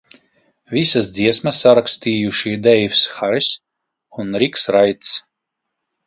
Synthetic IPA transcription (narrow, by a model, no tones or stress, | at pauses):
visasd̪ziɛsmasːaɾakst̪iːjuʃid̪ɛjfsxaɾis | unɾiksɾajt̪s